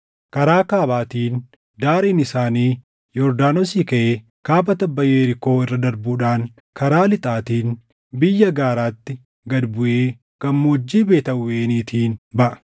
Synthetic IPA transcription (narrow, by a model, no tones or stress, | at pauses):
kɐɾaːkaːbaːt̪iːn | d̪aːɾiːnɪsaːniː | jɔɾd̪aːnosiːkɐʔeː | kaːbɐt̪ɐbːɐjeːɾɪko̞ːɪrːɐd̪ɐɾbuːᶑaːŋ | kɐɾaːlɪt̪ʼaːt̪iːn | bɪjːɐɡaːɾaːt̪ːɪ | ɡɐd̪bʊʔeː | ɡ̥ɐmːoːd͡ʒːiːbeːt̪ɐʊweːniːt̪ʰiːnbɐʔɐ̥